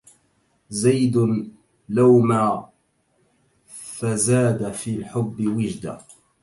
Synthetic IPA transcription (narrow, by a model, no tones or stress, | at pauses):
zajd̪ʊ | lawmaː | fazaːd̪afiːlħʊbːɪwɪd͡ʒd̪a̰